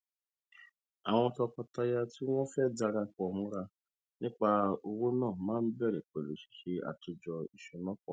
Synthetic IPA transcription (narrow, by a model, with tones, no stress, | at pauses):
a˨w̃ɔ̃˧tɔ˧kɔ˧ta˧ja˧ti˦w̃ɔ̃˦fɛ˦˨da˧ɾa˧k͡pɔ˨mũ˦ɾa˧ | nĩ˦k͡pa˦o˧wo˦nãː˦˨mãː˦n̩˦bɛ˦˨ɾɛ˨k͡pe˨le˨ʃi̥˨ʃe˦a̰˨tu˧d͡ʒɔ˧i˨ʃɔ˨nɔ̃˦k͡pɔ̰˨